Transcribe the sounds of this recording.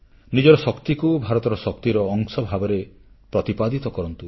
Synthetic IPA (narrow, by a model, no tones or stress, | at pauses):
nid͡ʒɔɾɔsɔkt̪ikubʱaɾɔt̪ɔɾɔsɔk̚t̪iɾɔːŋsɔbʱabɔɾe | pɾɔt̪ipad̪it̪ɔkɔɾɔnt̪u